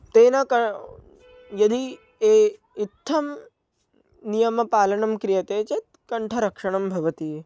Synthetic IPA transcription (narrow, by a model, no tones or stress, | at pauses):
t̪eːnɐkɐ | jɐd̪ʱi | eː | it̪ʰːɐm | nijɐmɐpaːlɐɳɐmkɾijɐt̪eːt͡ʃet̪̚kɐɳʈʰɐɾɐkʂɐɳ̃ɐmbʱɐʋɐt̪i